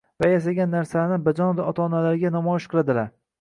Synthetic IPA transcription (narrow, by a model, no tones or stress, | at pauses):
vajas̬aɡʲanːaɾsanɪbad͡ʒɒnvaɒt̪ʰaːnalaɾɡʲanɒmɒjɪʃqʰɨlˠad̪ɪlaɾ